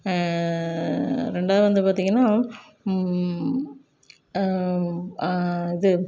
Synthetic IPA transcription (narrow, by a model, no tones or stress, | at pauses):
ɾɛɳɖaːðɯʋɐnd̪ɯpaːɾt̪iŋɡɐnːaː | ɪðɯ